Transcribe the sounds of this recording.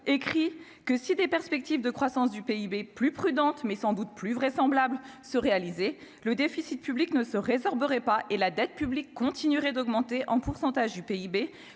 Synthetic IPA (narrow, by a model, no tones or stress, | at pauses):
ekχi | kəsid̪epɛʁspɛk̚t̪ivd̪əkχwasɑ̃sd̪ypeibeplypχyd̪ɑ̃t̪mɛsɑ̃d̪ut̪plyvʁɛsɑ̃blablsəʁealize | ləd̪efisit̪̚pybliknəsəʁezɔʁbəʁɛpaʔelad̪ɛt̪̚pyblikːɔ̃t̪ʰinyʁɛd̪ɔɡmɑ̃t̪eʔɑ̃puʁsɑ̃t̪aʒd̪ypeibe